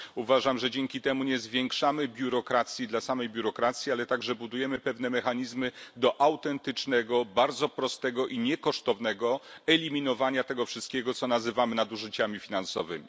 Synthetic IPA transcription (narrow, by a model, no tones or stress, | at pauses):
uvaʐamʐɛd͡ʑɛŋkʲit̪ɛmuɲɛzvʲjeŋkʂamɘbʲjuɾɔkɾat̪sʲjid̪lasamɛjbʲjuɾɔkɾat̪sʲjialɛt̪aɡʐɛbud̪ujɛmɘpɛvnɛmɛxaɲizmɘd̪ɔʔawt̪ɛnt̪ɘt͡ʂnɛɡɔbaɾd̪zɔpɾɔst̪ɛɡɔʔiɲɛkɔʂt̪ɔvn̪ɛɡɔɛlʲimʲinɔvaɲat̪ɛɡɔfʂɘst̪̚kʲɛɡɔt̪sɔnazɘvamɘnad̪uʐɘt͡ɕamʲifʲinansɔvɘ̰mʲḭ